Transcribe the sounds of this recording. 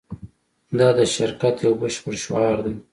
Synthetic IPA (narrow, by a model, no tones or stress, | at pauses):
d̪ɑd̪əʃɪɾkat̪jawbəʃpəɽʃwɑɾd̪aj